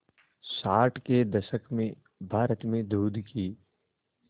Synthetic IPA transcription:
saːʈked̪ɐʃəkmẽ | bʱaːɾət̪mẽd̪uːd̪ʱkiː

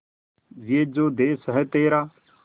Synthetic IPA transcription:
ʋeːd͡ʒoːd̪eːsɦɛt̪eːɾaː

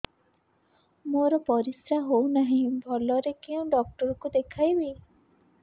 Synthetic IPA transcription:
moɾɔpɔɾisɾaɦownaɦĩbʱɔlɔɾekeũɖɔk̚ʈɔɾɔkud̪ekʰajbi

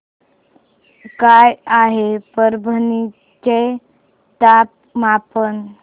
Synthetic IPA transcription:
kajaɦepəɾbʱəni | t͡ɕe | t̪ap̚ | mapən

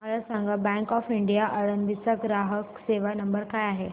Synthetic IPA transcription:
məɭasãŋɡabɛ̃ŋkɔfiɳɖijaʔəɭənʋit͡saɡɾaɦəkseʋanəmbəɾkajaɦe

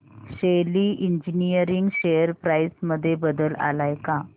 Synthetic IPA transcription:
ɕeliːʔind͡ʑinijəɾiŋɡɕejəɾpɾajsməd̪ʱːjebəd̪əla̰lajka

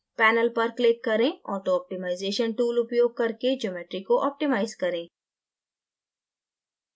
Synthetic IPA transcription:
pɛːnəlpɐɾklɪkːɐɾẽɔ̰ːɾt̪oɔːp̚ʈɪmaːɪzeːʃənʈuːlʊpjoːɡ̚kɐɾked͡ʒoːmeːʈɾikoʔɔːp̚ʈɪmaːɪzkɐɾẽː

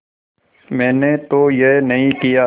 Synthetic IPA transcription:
mɛ̃ːnet̪ojenɐɦĩkija

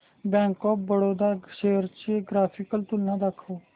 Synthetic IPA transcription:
bɛ̃ːŋkɔːp̚bəɽoːd̪aʃeːəɾt͡ʃːeɡɾaːpʰɪkəlt̪ʊlnãːd̪akʰoː

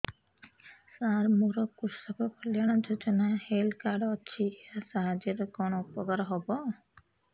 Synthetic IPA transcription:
saɾmuɾɔkuɾsapʰɔkoliaɽ̃ad͡ʒod͡ʒɔnahelkaɖɔt͡ʃʰiasaɦad͡ʒeɾkɔnoupɔɡaɾɔɦɔbɔ

